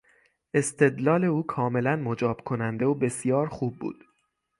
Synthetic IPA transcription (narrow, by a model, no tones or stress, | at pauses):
ʔe̞st̪ʰe̞d̪lɒːle̞uːkʰɒːme̞lænmod͡ʒɒːb̥kʰonænd̪eobe̞sijɒːɾxuːb̚ːṵːd̪̥